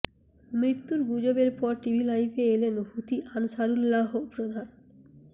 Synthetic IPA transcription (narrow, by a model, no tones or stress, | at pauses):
mɾit̪ːuɾɡud͡ʑobeɾpɔɾʈibʱilajfeelenɦut̪iʔanʃaɾulːaɦopɾod̪ʱan